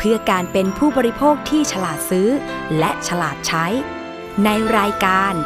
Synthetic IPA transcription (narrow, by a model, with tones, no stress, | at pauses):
pʰɯ˥˩ɐkaː˧npe˧npʰuː˥˩bɔː˧ɾi˦˥pʰoː˥˩k̚t̪ʰiː˥˩t͡ɕʰa˧laː˨˩t̪̚sɯː˦˥ | lɛ˦˥ʔt͡ɕʰa˧laː˨˩t̪̚t͡ɕʰa˦˥j | na˧jɾaː˧jkaː˧n